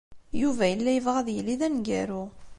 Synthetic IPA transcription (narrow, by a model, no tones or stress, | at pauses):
juvæjəlːæjəvʁæðjəlːiðænɡæɾu